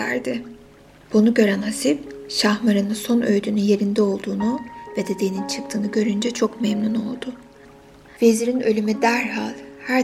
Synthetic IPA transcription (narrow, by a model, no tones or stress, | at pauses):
æ̰ɾd̪ɪ | b̥unuɟø̞ɾænhasipʃahmaɾɯnɯnso̞nʔø̞jd̪ynynje̞ɾind̪ɛo̞lˠd̪uːnub̥e̞d̪e̞d̪ejnint͡ʃʰɯk̚t̪ʰɯːnuɟø̞ɾynd͡ʒɛt͡ʃʰo̞kmemnuno̞̰lˠd̪ʊ | veziɾinø̞lʲymyd̪æɾɦalʲhæɾ